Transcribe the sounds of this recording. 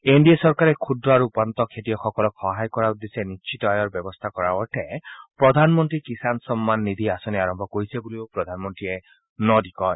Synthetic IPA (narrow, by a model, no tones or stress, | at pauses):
enɖiesɔɹkaɹɛkʰudɹɔaɹuupant̪ɔkʰetijɔxɔkɔlɔkxɔɦajkɔɹaud̪esɛnist͡ʃʰitɔajɔɹbɔbɔst̪ʰakɔɹaɔʈʰɛpɹɔd̪ʱanmɔntɹikisansɔmːanːid̪ʱiasɔniaɹɔmbʱɔkoɹisɛbuliopɹɔd̪ʱanmɔntɹiɛ | nɔdikɔj